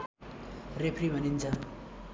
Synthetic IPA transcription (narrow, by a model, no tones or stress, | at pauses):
repʰribʱʌnint͡sʰʌ